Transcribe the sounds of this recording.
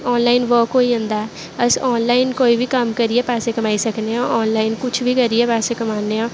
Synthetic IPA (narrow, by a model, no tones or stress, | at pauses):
ɔːnlaːɪnʋoːkoːiə̃nd̪aː | əsɔːnlaːɪnkoːibʱiːkəmkəɾiepɛːsekəmaːisəkneõːʔɔːnlaːɪnkʊt͡ʃʰbʱiːkəɾiɛːpɛːsekəmaːneõː